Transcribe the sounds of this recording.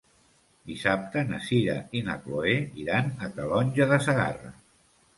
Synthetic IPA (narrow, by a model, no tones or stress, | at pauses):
d̪isap̚t̪ənəsiɾa̰ina̰kloeiɾanəkalɔnʲʒəðəsəɣa̰ra̰